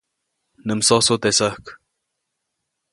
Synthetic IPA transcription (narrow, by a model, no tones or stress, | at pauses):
nəmsɔsot̪esəhk